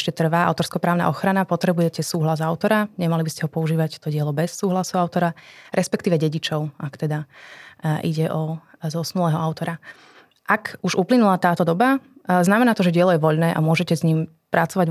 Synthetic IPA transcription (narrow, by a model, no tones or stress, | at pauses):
ʃcɛt̪r̩ʋaːa̰ʊt̪ɔɾskɔpɾaːʊna̰ʔɔxɾanapɔt̪ɾɛbujɛcɛsuːɦlazaʊt̪ɔɾaɲɛmalibiscɛɦɔpɔuʒiːʋact̪ɔɟɪɛlɔbɛsːuːɦlasuʊaʊt̪ɔɾaɾʔɛspɛkt̪iːʋɛɟɛɟit͡ʃɔʊʔakt̪ɛd̪a | ʔiɟɛʔɔ | zɔsnulɛːɦɔaʊt̪ɔɾa | ʔakuʒuplinulat̪aːt̪ɔd̪ɔbaznamɛnaːt̪ɔʒɛɟɪɛlɔjɛʋɔʎnɛːʔa̰mʊɔʒɛcɛzɲiːm | pɾat͡sɔʋaɟ